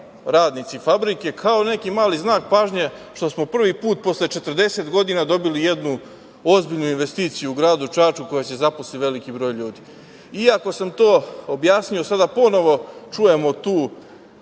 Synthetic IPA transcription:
ɾaːd̪nit̪sifabɾike̞kʰao̞ne̞kimaːliznaːk̚paːʒɲeʃt̪o̞smopr̩ʋipuːt̪̚po̞slet͡ʃe̞t̪rd̪e̞set̪ɡo̞d̪inad̪o̞bilije̞d̪nu | ozbiʎnuinʋe̞st̪iːt̪sijuuɡɾaːd̪ut͡ʃaːt͡ʃuko̞jat͡ɕe̞zaposliʋe̞likibɾo̞ːjʎuːd̪i | iako̞samt̪o̞ːobjaːsɲio̞sad̪apo̞no̞ʋo̞t͡ʃuje̞mo̞t̪uː

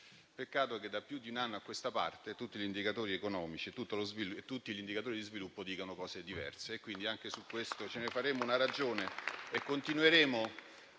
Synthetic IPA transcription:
pekːaːt̪oɛked̪ːapːjud̪ːiunanːoakːwest̪apa̰rt̪et̪ut̪ːiʎind̪ikat̪oːɾiekonɔːmit͡ʃit̪ut̪ːolozvilet̪ːut̪ːiʎind̪ikat̪oːɾid̪izvilupːod̪iːkanokɔːsed̪ivɛ̰rseːkːwind̪iaŋkesukːwest̪ot͡ʃenefaɾeːmounaɾad͡ʒoːneekːont̪inuweɾeːmo

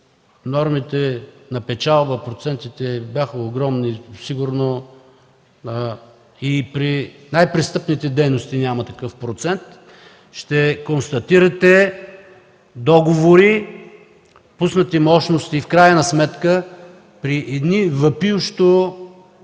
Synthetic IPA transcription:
nɔɾmit̪ɛnɐpɛt͡ʃalˠbəpɾot̪sɛnt̪it̪ɛbʲjaxəoɡɾɔmnisiɡuɾno | ipɾinajpɾist̪ɤpnit̪ɛd̪ɛjnost̪inʲamət̪ɐkɤfpɾot̪sɛnt̪ | ʃt̪ɛkonst̪ɐt̪iɾɐt̪ɛ | d̪ɔɡovoɾi | pusnət̪imɔʃnost̪ifkɾajɐnɐsmɛt̪kə | pɾiʔɛd̪nivɐpiwʃt̪o

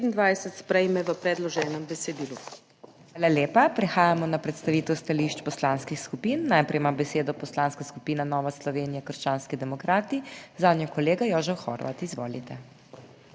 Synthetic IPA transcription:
pt̪nd̪ʋajsɛt̪spɾɛjmɛʋəpɾɛd̪lɔʒɛːnɛmbɛsɛd̪iːlu | aːlaljeːpapɾɛxaːjamɔnapɾɛt̪st̪aʋiːt̪ɛwst̪aliʃt͡ʃpɔslanskixskupiːnːajpɾɛjmambɛseːd̪ɔpɔslaːnskaskupiːnanɔːʋaslɔʋeːnijakəɾʃt͡ʃaːnskid̪ɛmɔkɾaːt̪izaːd̪njakɔleːɡajɔːʒɛwxɔ̰ɾʋa̰t̪izʋo̰ːlit̪ɛ

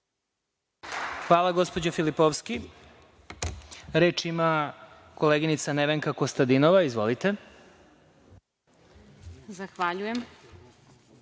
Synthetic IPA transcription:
xʋaːlˠaɡo̞spo̞d͡ʑafilipoʋski | ɾeːt͡ʃima | ko̞leːɡinit̪saneʋeŋkakost̪ad̪inoʋaizʋo̞̰lit̪e̞ | zaxʋaʎujem

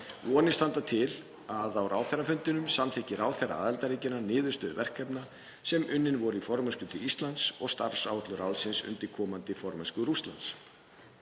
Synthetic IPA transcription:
vɔːnɪst̪ant̪at̪ʰɪl | aðawrʔaːwθɛrafʏnt̪ɪnʏmsamt̪ʰɛhcɪɾaːwθɛra̰a̰ːðɛlt̪aɾiːcɪnanɪːðʏst̪œːðvɛr̥kɛpna | sɛmʔʏnːɪnvɔɾʏifɔɾmɛskʏt̪ʰɪlist̪lant̪sɔɣst̪a̰ɾ̥sawt̪lʏɾawlsɪnsʏ̰nt̪ɪɾkʰɔːmant̪ɪfɔɾmaskʏɾust̪la̰nt̪s

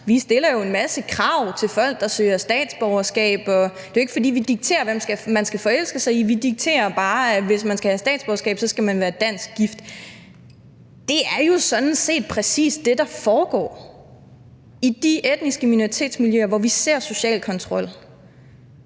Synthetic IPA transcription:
ʋisd̥e̝lɐjo̝e̝nmæsəkʰʁɑ̈ʊ̰t͡sʰe̝lfɒ̽l̰ɡ̥̚d̥ɑ̈søːɐsd̥ɛ̰ːd̥sb̥ɒʊɐsɡ̥ɛ̰ːb̥ɒ̽d̥e̝joeɡə̥fɒ̽d̥ḭːʋid̥iɡ̥̚t͡sʰe̝̰ːɐʋem̰sɡ̥æmænsɡ̥æfɒ̽el̰sɡ̥əsɑ̈ɪiʋid̥iɡ̥̚t͡sʰe̝̰ːɐb̥ɑ̈ːʋe̝smænsɡ̥æhæsd̥ɛ̰ːd̥sb̥ɒʊɐsɡ̥ɛ̰ːb̥sɒ̽sɡ̥æmænʋæːɐd̥æn̰sɡ̥̚ɡ̥ifd̥ | d̥e̝æɐjo̝sɒ̽d̥n̩se̝̰ːd̥̚pʰʁɛsḭːsd̥e̝d̥ɑ̈fɒːɡ̥ɒ̰ː | id̥iʔed̥nisɡ̥əmino̝ʁit͡sʰe̝̰ːd̥smiljøːɐʋɒʋise̝̰ɐ̰so̝ɕɛ̰ːlkʰɒ̽nt͡sʰʁɒ̽l̰

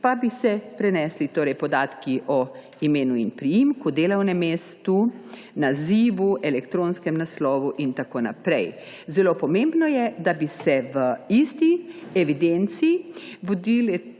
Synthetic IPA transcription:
pabisɛpɾɛnɛːslit̪oːɾɛjpɔd̪aːt̪kiʔɔ | imeːnuinpɾijimkud̪eːlɐwnɛmeːst̪u | naziːʋuʔɛlɛkt̪ɾonskɛmnaslɔːʋuʔint̪akoːna̰pɾɛj | zɛloːpɔmẽmbnɔjɛd̪abisɛʋəist̪iɛʋid̪ent̪siːʋod̪ilɛ

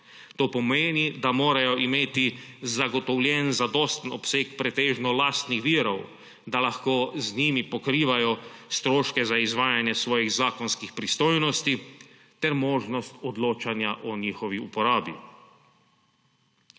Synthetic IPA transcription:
t̪oːpɔmeːnid̪amoːɾajɔʔimeːt̪izaɡɔt̪ɔwljɛnzad̪ɔst̪nɔpseːkpɾɛt̪eːʒnɔlaːst̪nixʋiːɾɔw | d̪alaxkoːzniːmipɔkɾiːʋajɔst̪ɾoːʃkɛzaizʋaːjanjɛsʋɔːjiɣzaːkɔnskixpɾist̪oːjnɔst̪i | t̪ɛɾmoːʒnɔst̪ɔd̪loːt͡ʃanjaʔɔniːxɔʋiṵpɔɾaːbḭ

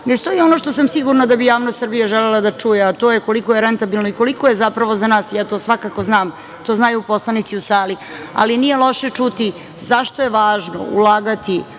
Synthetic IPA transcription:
nest̪o̞jiono̞ʃt̪o̞samsiɡuɾnad̪abijaːʋnost̪sr̩bijaʒelelad̪at͡ʂujeat̪o̞ːjeko̞liko̞jeɾent̪abilˠno̞iko̞liko̞je̞zapɾaʋo̞zanaːsjaːt̪oːsʋakako̞znaːm | t̪oznajuːpo̞slˠanit̪siusaːli | a̰linije̞lˠo̞ʃe̞t͡ʂut̪i | zaʃt̪o̞jeʋaːʒno̰ṵlˠaːɡat̪i

